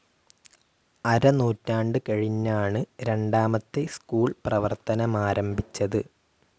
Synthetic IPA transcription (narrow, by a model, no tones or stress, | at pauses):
ɐɾɐnuːtːaːɳɖɨkɐɻiɲːaːɳɨɾe̞ɳɖaːmɐt̪ːe̞skuːɭprɐʋɐrt̪ɐnɐmaːɾʔɐmbʱit͡ɕːɐðɨ